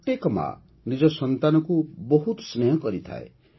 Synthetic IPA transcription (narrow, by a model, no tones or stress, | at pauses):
ʈ̪ekɔma̰ | nid͡ʒɔsɔnt̪anɔkubɔɦut̪snejɔkɔɾit̪ʰa̰ḛ